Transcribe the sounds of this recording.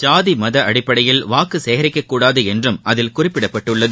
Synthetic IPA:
t͡ʃaːðimɐðɐʔɐɽɪpːɐɽɐjɪlʋaːkɯseːɣɐɾɪkːɐkːuːɽaːðɯɛndrɯmɐðɪlkʊrɪpːɪɽɐpːɐʈːɯɭːɐðɯ

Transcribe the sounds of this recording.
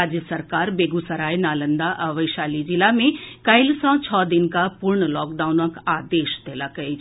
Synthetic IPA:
ad͡ʒjəsəɾkaːɾbeːɡusəɾaːjnaːlənd̪aʔɐʋəjʃaːlid͡ʒilamẽkɐjlsɔ̃t͡ʃʰɔːd̪inkapuɾɳəlɔːkɖaːunəkaːd̪eːʃt̪ʰelakɐi

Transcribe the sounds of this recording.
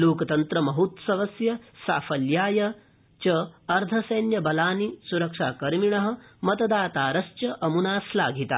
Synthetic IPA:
loːkɐt̪ɐnt̪ɾɐmɐɦut̪sɐʋɐsjɐsa̰ːfɐljaːjɐ | t͡ʃɐɐɾd̪ʱɐsɐːnjɐbɐlaːnisuɾɐkʂaːkɐɾmiɳɐɦɐ̆mɐt̪ɐd̪aːt̪aːɾɐʃt͡ʃɐʔɐmunaːslaːɡʱit̪a̰ː

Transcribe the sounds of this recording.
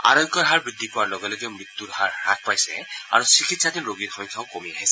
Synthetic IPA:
a̰ɾɔŋkɔɾɦaɹbɹid̪ʱːipʊwaɹlɔɡɛlɔɡiɔmɹit̪ːuɾɦaɹɹak̚pajsɛ̰a̰ɹusikʰitsatiɹoɡitxɔ̃ŋkʰaʊkomiaɦisɛ

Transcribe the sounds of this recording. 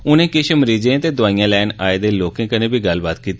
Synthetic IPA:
ʊnẽːkɪʃməɾiːd͡ʒẽːt̪eːd̪ʊaːijãːlɛːnaːeːd̪eːloːkẽːkənẽːbʱiːɡəlbaːt̪kiːt̪i

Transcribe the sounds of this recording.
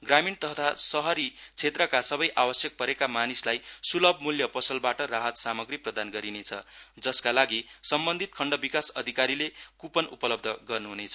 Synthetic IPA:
ɡramint̪ʌɦt̪ʰasʌɦʌɾit͡sʰet̪rʌkasʌbʌjʔawʌsjʌk̚pʌɾekamanislajsulʌbmuljʌpʌsʌlbaʈʌraɦʌt̪samʌɡriprʌd̪anɡʌɾinet͡sʰʌ̰d͡zʌskalaɡisʌmbʌnd̪ʱit̪̚kʰʌɳɖʌbikasʌd̪ʱikaɾilekupʌnupʌlʌb̚d̪ʱʌɡʌrnuɦunet͡sʰʌ

